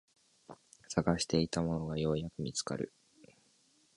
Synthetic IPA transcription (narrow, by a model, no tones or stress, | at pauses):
saɡaɕi̥t̪e̞it̪amo̞no̞ɡajo̞ːjakɯ̟mʲit͡sɨ̥ka̰ɾɯ̟̰